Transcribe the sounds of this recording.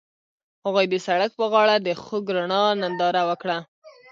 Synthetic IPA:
haɣujd̪əsaɽak̚pəɣɑɽad̪əxoɡɾaɳɑnand̪ɑɾawəkɽa

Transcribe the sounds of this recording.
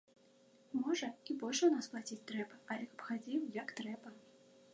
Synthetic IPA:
mɔʐɐibɔlʲʂwnasplˠat͡sʲit͡sʲt̪ɾɛbɐɐlʲɛkɐpxad͡zʲiwjakt̪ɾɛbɐ

